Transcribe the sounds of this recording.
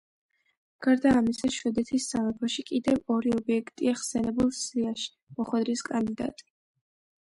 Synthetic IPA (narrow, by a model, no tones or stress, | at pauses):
ɡ̥aɾd̪aːmisaʃɛd̪ɛt̪ʰisːamɛpʰɔʃikʼid̪ɛvɔɾiɔbiɛkʰt̪ʼiaχsɛnɛbulˠsiaʃi̥ | mɔχwɛd̪ɾiskʼand̪id̪a̰t̪ʼi̥